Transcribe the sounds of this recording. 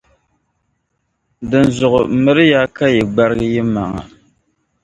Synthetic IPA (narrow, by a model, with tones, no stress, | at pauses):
dɨ˨n˨zʊ˨ʔʊ˨mɨ˦ɾɨ˦jaː˦ka˦jɛ˨ɡ͡ba˦ɾɨ˦ɡɨ˦jɛ˦ma˨ŋa̰˨